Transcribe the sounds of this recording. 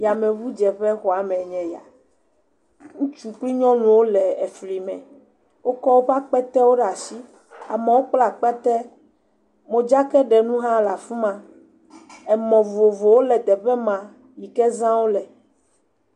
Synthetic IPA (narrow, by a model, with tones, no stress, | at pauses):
ja˨mɛ̃˨vu˦d͡ʒɛ˨ɸɛ˦xɔ˨a˨mɛ̃˨ɲɛ̃˨ja̰˨ | ŋũ˦t͡ʃu˨k͡pli˦ɲɔ̃˦lũ˨wo˦lɛ˨ɛ˨fli˨mɛ̰̃˨ | wo˦kɔ˦wo˦ɸa˦k͡pɛ˦t̪ɛ˦wo˦ɖa˨si˦ | a̰˨mɛ˨wo˦k͡pla˨k͡pɛ˦t̪ɛ˦ | mõ˨d͡ʒa˦kɛ˦ɖɛ˨nũ˦ɦã˦la˨fu˦mã˨ | ɛ˨mɔ̃˨vo˨vo˨wo˦lɛ˨d̪ɛ˨ɸɛ˦mã˨ | ji˨kɛ˦zã˦wo˦lɛ˨